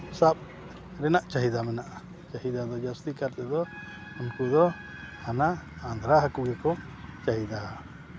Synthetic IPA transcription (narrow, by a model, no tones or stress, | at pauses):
saɓ̚ | ɾɛnaʔt͡ʃaɦid̪amɛnaʔa | t͡ʃaɦid̪ad̪ɔd͡ʒast̪ikaɾt̪ɛd̪ɔ | unkud̪ɔ | anaː | nd̪ʱɾaɦakuɡɛkɔ | t͡ʃaɦid̪a